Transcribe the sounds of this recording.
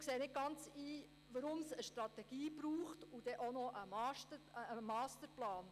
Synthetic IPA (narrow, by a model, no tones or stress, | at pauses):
kseːnɪt̚ɡɑnt͡siː | ʋəɾʊmsəʃtɾɑt̪ɛɡ̥iːb̥ɾuːχtud̥ɛʔonɔʔəmɑːʃtəəːmɑːstəɾplɑːn